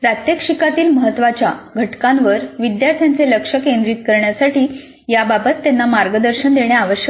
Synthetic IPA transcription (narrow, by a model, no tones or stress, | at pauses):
pɾət̪jekʂikat̪iːlməɦət̪ːʋat͡ɕjaɡʱəʈkãnʋəɾʋid̪jaɾt̪ʰjant͡seləkʂəkẽnd̪ɾiːt̪kəɾɳjasaʈiː | jababət̪ːjanːamaɾɡəd̪əɾɕənd̪eɳjaːʋəɕjə